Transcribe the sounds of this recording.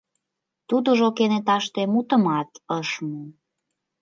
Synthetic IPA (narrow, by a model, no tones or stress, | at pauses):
t̪ud̪əʒokenet̪ɑʃt̪emut̪ə̆mɑt̪əʃmə